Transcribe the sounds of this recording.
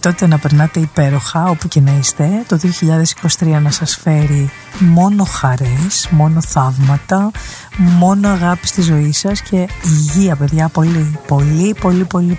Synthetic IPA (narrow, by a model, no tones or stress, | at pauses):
t̪o̞t̪e̞nɐpe̞ɾnɐt̪e̞ipe̞ɾo̞xɐo̞puce̞nɐist̪e̞t̪o̞ðioçiʎɐðe̞si̥ko̞si̥t̪ɾiɐnɐsɐsfe̞ɾi | mo̞no̞xɐɾe̞smo̞no̞θɐvmɐt̪ɐ | mo̞no̞ɐɣɐpi̥st̪izo̞isɐsce̞iʝiɐpe̞ðʝɐpo̞lipo̞lipo̞lipo̞li